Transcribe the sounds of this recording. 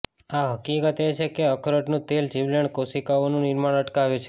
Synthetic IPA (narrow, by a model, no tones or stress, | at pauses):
aɦəkikət̪et͡ʃʰekeəkʰɾəʈnũt̪eld͡ʒiʋləɳkosikaʋonũnɪɾmaɳəʈkaʋet͡ʃʰe̥